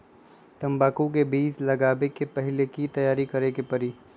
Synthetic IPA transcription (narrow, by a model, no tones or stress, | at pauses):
t̪ɐ̃mbaːkũkebiːslɐɡaːbekepɐɦɪlekit̪ɐjaːɾikɐɾekepɐɾiː